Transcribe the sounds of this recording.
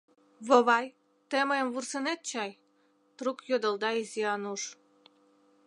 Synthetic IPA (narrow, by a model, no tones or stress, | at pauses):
βoβɑj | t̪eməjəmvursənet̪̚t͡ɕɑj | t̪rukjod̪əld̪ɑiziɑnuʃ